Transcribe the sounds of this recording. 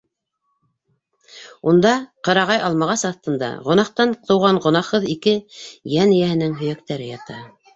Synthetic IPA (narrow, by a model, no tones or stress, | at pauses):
und̪ɑqɤ̆ɾɑʁɑjʔɑlˠmɑʁɑsɑθt̪ɤ̆nd̪ɑ̰ʁŏnɑqt̪ɑnt̪ɤ̆wʁɑɴʁŏnɑχɤðikɘjænɘjæhɘ̆nɘŋɦɵ̆jækt̪æɾɘjɑt̪ɑ